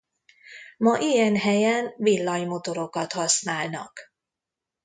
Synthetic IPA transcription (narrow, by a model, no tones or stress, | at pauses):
mɒʔijɛnɦɛjɛnvilːɒjmo̞t̪o̞ɾo̞kɒt̪hɒsnaːlnɒ̰k